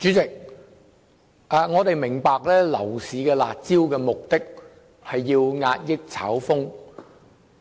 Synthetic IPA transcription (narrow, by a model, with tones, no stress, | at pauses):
t͡ʃyː˨˥t͡sɪ˨k̚ | aː˨ŋɔː˨˧t̪e˨jmɪ˨˩ŋpaː˨˧k̚lɛː˥lɐ̰˨˩wsiː˨kɛː˧la̰ː˨t̚t͡siː˥wkɛː˧mʊ˨k̚t̪ɪ˥k̚ | hɐ˨jːiː˧wŋa̰ː˧t̚jɪ˥k̚t͡sʰa̰ː˨˥wfʊ˥ŋ